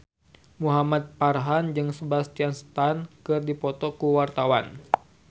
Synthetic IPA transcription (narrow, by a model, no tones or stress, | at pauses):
muɦamat̪̚parɦand͡ʒɨŋsəbast̪ianst̪ankɨrdipɔt̪ɔkuwart̪awan